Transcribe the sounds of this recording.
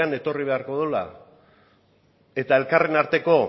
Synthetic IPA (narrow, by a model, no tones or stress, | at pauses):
ane̞t̪o̞riβ̞e̞aɾko̞ðula̰ | e̞t̪ae̞lkare̞naɾt̪e̞ko̞